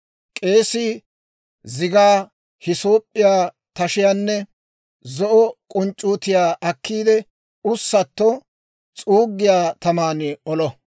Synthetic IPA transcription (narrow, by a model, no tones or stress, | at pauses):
kʼe̞ːsɪ | zɪɡaː | hɪso̞ːpʼːɪjaː | t̪ɐʃɪjaːnːɛ | zɔʔɔkʼɔnt͡ʃʼːuːt̪ɪjaːʔɐkʰːiːd̪ɛ | ʊsːɐt̪ːɔ | t͡sʼuːɡːɪjaːt̪ɐmaːnɪɔlɔ